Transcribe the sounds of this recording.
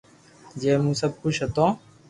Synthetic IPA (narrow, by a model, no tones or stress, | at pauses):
d͡ʒeːmũːsəb̚kʊt͡ʃʰɦət̪õː